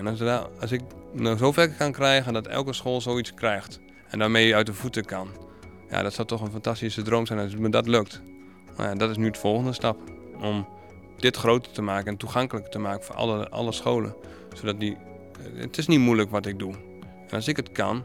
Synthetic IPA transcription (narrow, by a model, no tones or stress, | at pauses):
ɛnsɪk̚nɔsofɛkəkankrɛjɣəndɔtɛ̰lˠkəsxoːlˠsowit͡skrɛjxt | ɛndaːmejəœɥt̚dəfutəkʰan | ja̰dɔtsɔlˠtɔxənfantastisədroːmsɛjnɔsmədɔtløkt | na̰jadɔtɪs̬nydəfɔlˠxəndəstap | ɔm | dɪtxrowtətəmaːkənɛntuxaŋkələktəmaːkənfo̰əʔɔ̰lˠəsxoːlə̰n | sodɔt̚di | ə̰tɪsnitmujləkʋɔtɪk̚du | ɛnɔlˠsɪkətkʰa̰n